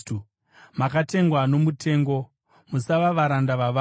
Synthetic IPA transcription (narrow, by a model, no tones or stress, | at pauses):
u | makate̞ŋɡwano̞mute̞ːŋɡo̞ | musaʋaʋaɾandaʋaʋa